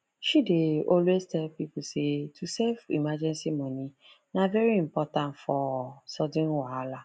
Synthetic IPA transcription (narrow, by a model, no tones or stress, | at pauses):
ʃideɔlwestɛpipusetʰusɛfḭmad͡ʒɛ̃nsimɔ̃nĩ | navɛɾiim̩pɔtãntfɔsɔdĩnwaala